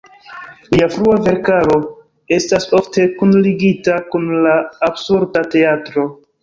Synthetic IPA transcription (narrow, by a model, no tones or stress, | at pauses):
liafɾuave̞ɾkaɾo̞ | e̞staso̞fte̞kunliɡitakunlaːbsuɾdate̞atɾo̞